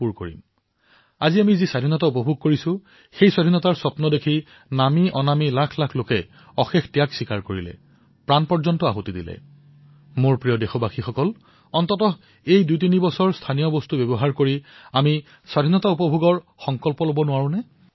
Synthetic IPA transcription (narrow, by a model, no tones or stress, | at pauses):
puɹko̰ɹḭm | aziamizisadʱinɔtaupɔbʱuɡ̚koɹisʊ̃ | xejswadʱinɔtaɹsɔpnɔdekʰi | namiʔɔnamilakʰlakʰlokɛ | ɔxexʰtijaksikaɹkoɹilɛ̰ | pɹanpɔɹzɔntɔa̰ɦotidḭlɛ̰ | moɹpɹijɔdexɔbaxʰixɔkɔl | ɔntɔtɔ | ejdujtinibɔsɔɹstʰanijɔbɔstubɛbɔɦaɹkoɹiami | swadʱinɔtaupɔbʱuɡɔɹ | xɔŋkɔlpɔlobɔnʊwaɹũnɛ